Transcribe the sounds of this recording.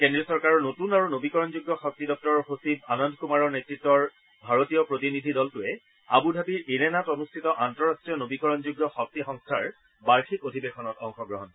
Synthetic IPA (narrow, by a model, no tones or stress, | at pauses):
kendɹiɔsɔɹkaɹɔɹnotunaɹunobikɔɹɔnzuɡːjɔxɔk̚tidɔk̚tɔɹxosib̚anɔndkumaɹɔɹnetɹitːɔɹ | bʱaɹotijɔpɹotinidʱidɔltʊɛ | abudʱabiɹenɛnatɔnustʰitɔʔantɔɹastɹijɔnobikɔɹɔnzuɡjɔxɔk̚tixɔŋstʰaɹ | baɹxʰikodʱibexʰɔnɔtɔŋxɔɡɹɔɦɔn